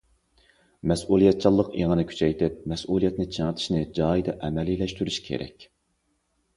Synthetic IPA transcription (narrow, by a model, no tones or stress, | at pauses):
mɛsulˠijɛt̪̚t͡ʃʰɑlˠːəqeŋənɨkʲʰy̥t͡ʃʰɛjt̪ʰɪp̚mɛsulˠijɛt̪nɪt͡ʃʰeŋət̪ʰɪ̥ʃnɪd͡ʒɑːid̪ɛʔɛmɛlilɛʃt̪yɾyʃkʲʰḛɾɛ̰kʲ